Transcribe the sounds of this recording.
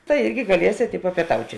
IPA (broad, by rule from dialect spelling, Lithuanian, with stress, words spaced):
tɐɪ ˈɪrʲɡʲɪ ɡɐˈlʲiɛsʲeːt ɪ pɐpʲiɛˈtɐʊtʲɪ